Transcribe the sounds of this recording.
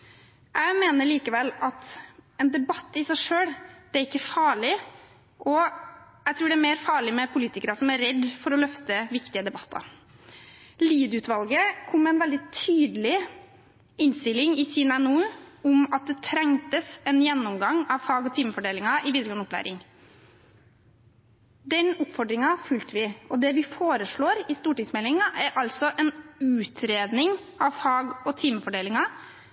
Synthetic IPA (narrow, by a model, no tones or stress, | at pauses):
jʔæɪmeːnəɭiːkəʋɛlːɑt̪ɛnd̪ɛbɑt̪ːɪsæɪʂøːɽd̪̥ɛæɾɪkːəfɑːɭɪ | ʔɔjæt̪ʰɾʉːɖɛæmeːɾfɑːɭɪmɛpʰʊliːt̪ɪkəɾɑsɔmæɾɾɛd̪ːfɔɾɔlœft̪əʋɪkt̪ɪəd̪ɛbɑt̪ːɑ̰ɾ | liːd̪ʉːt̪ʋɑlɡəkʰɔmmɛɛnʋɛld̪ɪt̪ʰyːd̪əlɪ | ɪnst̪ɪlːɪŋɪsiːnænuːɔmɑt̪̚d̪ɛt̪ʰɾɛŋt̪əsɛnjɛnːɔmɡɑŋɑʋfɑːɡɔt̪ʰiːməfɔɖeːlɪŋɑʔɪʋiːd̪ɾəɡɔnɔplæ̰ːɾɪŋ | d̪ɛnʊpːfɔɖɾɪŋɑfʉlt̪əʋɪɔd̪ɛʋɪfoːɾəʂɭoːɾɪst̪uːʈɪŋsmɛlɪŋɑʔæɾʔɑlsɔʔɛnʉːt̪ʰɾeːd̪nɪŋɑʋfɑːɡɔt̪ʰiːməfɔɖeːlɪŋɑ